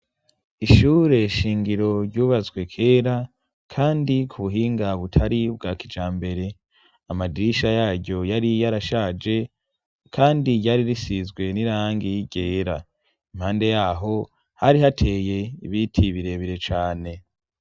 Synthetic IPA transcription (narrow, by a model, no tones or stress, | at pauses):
iʃuːɾe̞ʃiːŋɡiɾo̞ɾɟuːβazɡwe̞kʰe̞ːɾa | kʰaːndikʰuβuɦiːŋɡaβutʰaɾibɡaːkid͡ʒaːmbe̞ɾe̞ | amadiiʃajaːɾɟo̞jaɾijaɾaʃaːd͡ʒe̞ | kʰaːndiɟaɾiɾisizɡwe̞niɾaːŋɡijiɟe̞ːɾa | imhaːnde̞jaːɦo̞ | haɾihatʰe̞ːje̞iβitʰiβiɾe̞βiɾe̞t͡ʃaːne̞